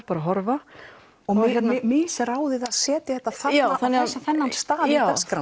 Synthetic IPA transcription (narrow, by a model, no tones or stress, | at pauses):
ɾpaːɾaɦɔɾva | ɔɣɛt̪nmɪːsaɾaːwðɪðaðsɛːt̪ɪθɛht̪ːaθaθanːɛasaθɛnːanst̪aːðɪskɾa